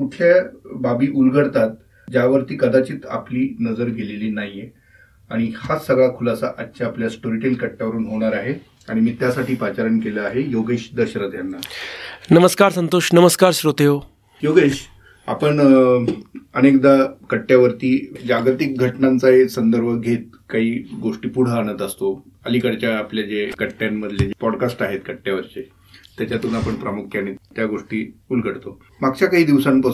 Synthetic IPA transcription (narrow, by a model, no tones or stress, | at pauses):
kuʈʰljababiːʔulɡəɽt̪at̪̚ | d͡ʑaʋəɾt̪iːkəd̪at͡ɕiːt̪a̰pliːnəd͡zəɾɡʱeleliːnaɦje | aɽ̃ihasəɡɭakʰulasaʔatːɕaːpljasʈoɾiʈelkəʈːjaʋəɾuːnɦoɽ̃aɾaɦe | aɽ̃imiːt̪jasaʈiːpat͡ɕaɾəɳkeləaɦejoɡeɕd̪əɕɾət̪janːanəməskaɾsənt̪oɕnəməskaɾɕɾot̪eo | joɡeɕ | a̰pəɳ | ənekd̪akəʈːjaʋəɾt̪iːd͡ʑaɡɾt̪ik̚ɡʱəʈnant͡saɦesənd̪əɾbʱəɡʱet̪̚ | kaɦiːɡoʂʈiːpuɽ̤əːñət̪əst̪oəlikəɽt͡ɕjaːpljad͡ʑekəʈːjamːəd̪ʱljed͡ʑepɔɽkasʈaɦet̪̚kəʈːjaʋəɾt͡ɕe | t̪jat͡ɕjat̪unapəɳpɾamukʰjaɽ̃it̪jaɡoʂʈiːulɡʱəɽt̪o | maɡt͡ɕjakaɦiːd̪iʋsanpə